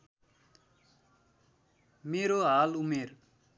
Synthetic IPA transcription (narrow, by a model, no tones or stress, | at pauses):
meɾoɦalumer